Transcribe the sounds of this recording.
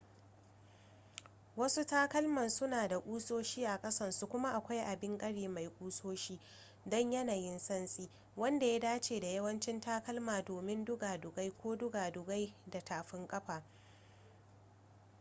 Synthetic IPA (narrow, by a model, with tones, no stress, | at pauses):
wɐ˦su˦taː˦kɐ˦lmɐ˨nsʊ˦naː˨da˨ʔʷʼuː˦soː˦ʃiː˦ʔa˨kʼɐ˦sɐ˦˨nsu˦kʷʊ˦ma˦ʔa˨kʷa˦jʔa˨bɪ˦ŋkʼɐ˦ɽiː˨ma˨jkʷʼuː˦soː˦ʃiː˦ | dɔ˦ɲjɐ˦naː˨jɪ˦nsɐ˦nsʼiː˦ | wɐ˦nda˨ja˦daː˦t͡ʃeː˨da˨jɐ˦wɐ˦nt͡ʃɪ˦ntaː˦kɐ˦lmaː˨doː˨mɪ˦ndʊ˦ɡaː˨dʊ˨ɡa˦jkʷoː˦dʊ˦ɡaː˨dʊ˨ɡa˦jda˨taː˨ɸɪ˦ŋkʼɐ˦ɸaː˨